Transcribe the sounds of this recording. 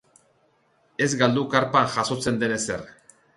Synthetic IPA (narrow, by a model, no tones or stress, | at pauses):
e̞zɡald̪ukaɾpaŋʝaso̞t͡se̞nd̪e̞ne̞se̞̰r